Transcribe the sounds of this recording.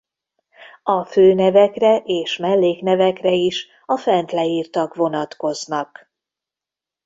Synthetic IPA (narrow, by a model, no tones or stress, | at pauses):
ɒføːnɛvɛkrɛʔeːʃmɛlːeːknɛvɛkrɛiʃ | ɒfɛnt̪lɛiːrt̪ɒkvo̞nɒt̪ko̞znɒk